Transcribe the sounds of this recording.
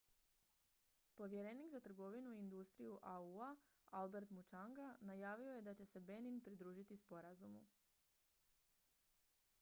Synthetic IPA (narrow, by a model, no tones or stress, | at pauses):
po̞ʋje̞ɾeniɡzat̪r̩ɡo̞ʋinuiːnd̪ust̪ɾijuʔaua | albe̞ɾt̪mut͡ʃaŋɡanajaːʋio̞je̞d̪at͡ɕe̞se̞be̞ninpɾid̪ɾuːʒit̪ispo̞ɾazumṵ